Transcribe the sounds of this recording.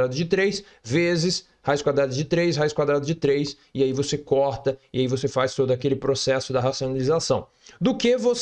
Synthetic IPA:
ɾad̪ʊzd͡ʒɪt̪ɾejs | vezɪs | hajskwad̪ɾad̪ʊzd͡ʒɪt̪ɾejshajskwad̪ɾad̪ʊzd͡ʒɪt̪ɾejs | ɪaivosekɔɾt̪ɐɪaivosefajst̪od̪ʊakelɪpɾosɛsʊd̪ɐɦasionalizasɐ̃w̃ | d̪ʊkevos

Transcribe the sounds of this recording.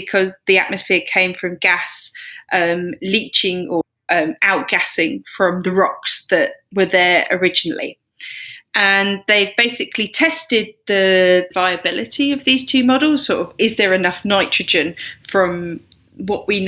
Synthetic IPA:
ɪkʰɒzðia̰ʔməsfɪəkʰẽɪ̃ɱfɹə̃mɡasʔʌ̃mliˑt͡ʃɪ̃ŋə | ʔʌ̃maʊʔ̚ɡ̥asɪ̃ŋfɹə̃mðəɹɒksðəʔwəðəɹə̰ɹɪd͡ʒɪnə̰lḭ | ʔə̃nðeɪvbeɪsɪkʰlitʰɛstɪd̪̚ðəvaɪəbɪlɪtʰiəvðiːz̥tʰʉːmɒdl̩ˠz̥sɔːˑtəvɪzðəɹɪnʌfnaɪt͡ʃɹ̥əd͡ʒə̃nfɹə̃m | wɒʔwin

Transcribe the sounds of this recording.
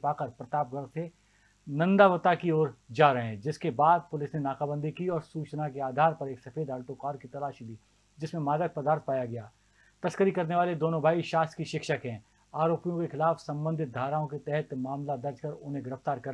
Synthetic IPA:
paːkəɾpɾɐt̪aːp̚ɡəɾse | nɐ̃nd̪aʋət̪akioːɾd͡ʒaːɾɐɦɛ̃d͡ʒɪskebaːd̪̚pʊlɪsnenaːkaːbə̃nd̪ʱikiɔːɾsuːt͡ʃnakeaːd̪ʱaːɾpɐɾeːksɐfeːd̪aːlʈ̪okaːɾkit̪ɐlaːʃid̪iː | d͡ʒɪsmẽmaːd̪ək̚pɐd̪aːɾt̪̚paːjaɡɐjaː | t̪ɐskəɾikɐɾneʋaːled̪oːnõbʱaːiʃaːskiʃɪkʃəkɦɛ̃ː | aːɾoːpijõkexɪlaːfsɐ̃mbə̃nd̪ʱɪt̪̚d̪ʱaːɾaːõket̪ɛɦɛt̪maːmlad̪ɐɾd͡ʒkɐɾʊnɦẽɡɪɾəft̪aːɾkɐɾ

